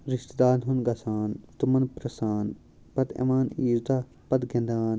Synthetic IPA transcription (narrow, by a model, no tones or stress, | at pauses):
ɾiʃt̪d̪aːnɦunɡɐsaːnt̪umɐnpɾɐsaːn | pɐt̪ḛmaːniːɾd̪a | pɐd̪ɡend̪aːn